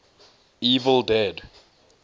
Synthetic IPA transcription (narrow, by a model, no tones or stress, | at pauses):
iːvəlˠdɛd